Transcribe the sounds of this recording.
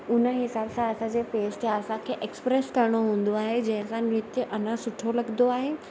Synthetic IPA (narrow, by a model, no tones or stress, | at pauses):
ʊnəɦɪsaːbsãɐsãd͡ʑeːfeːsʈjaɐsãkʰeːʔekspɾeskɐɾɽ̃oɦũːn̆d̪oaːɦed͡ʑɐ̃ɦɪ̃sãnɪt̪ʔɐnãsʊʈʰolɐɡnd̪oaːɦeː